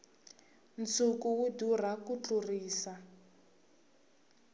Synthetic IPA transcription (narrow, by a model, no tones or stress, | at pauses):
nt͡sʰukuwudur̤akut͡ɬʼuriːsa